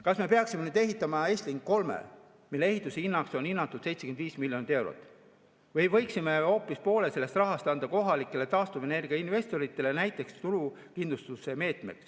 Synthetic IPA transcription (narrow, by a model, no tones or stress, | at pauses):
kɑsme̞pe̞ɑksimenyːd̪e̞ɦit̪ːˑɑmɑe̞ːst̪liŋkko̞lmḛ | milːee̞ɦit̪ːˑuseinːɑkso̞ninːɑt̪ːˑud̪̥se̞jt̪sekend̪viːsmiljo̞nit̪ːˑe̞wɾo̰t̪ːˑ | vɤjvɤ̞jksime̞o̞ːpːˑispo̞ːle̞se̞lːe̞st̪rɑɦɑst̪ɑnd̪̥ɑko̞ɦɑlikːˑe̞le̞t̪ɑːst̪uve̞ne̞rɡ̥iɑinve̞st̪o̞ɾit̪ːˑele̞næjt̪ˑːe̞kst̪uɾu | kind̪lust̪use̞me̞ːt̪ˑme̞̰ks